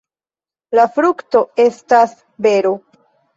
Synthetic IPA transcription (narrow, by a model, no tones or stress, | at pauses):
lafɾukto̞e̞stas | be̞ɾo